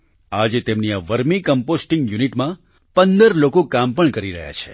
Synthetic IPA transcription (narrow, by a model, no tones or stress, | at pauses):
ad͡ʒet̪emniaʋəɾmikəmposʈĩŋɡjuniʈmã | pənd̪əɾlokokampəɳkəɾiɾə̰ɦja̰t͡ʃʰe